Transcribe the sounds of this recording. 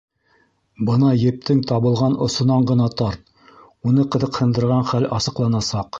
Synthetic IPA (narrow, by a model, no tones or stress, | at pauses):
bɤnɑjɘ̆p̚t̪ɘŋt̪ɑβɤ̆lˠʁɑnʔŏsŏnɑɴɢɤ̆nɑt̪ɑɾt̪̚ | unɤqɤ̆ðɤ̆qhɤ̆nd̪ɤ̆ɾʁɑɴχælɑsɤ̆qlˠɑnɑsɑq